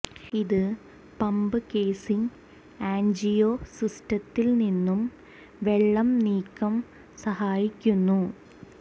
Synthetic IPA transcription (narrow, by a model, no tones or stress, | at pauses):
iðɨ | pɐmbɨke̞ːsiŋ | aːɲd͡ʑijoːsistɐt̪ːilninːum | ʋe̞ɭːɐmniːkːɐm | sɐhaːjikʲːunːu